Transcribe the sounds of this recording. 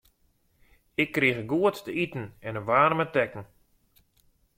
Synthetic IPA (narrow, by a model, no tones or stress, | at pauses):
ɪkːriəɣəɡuəttəitn̩ɛnəʋaːrmətɛkən̩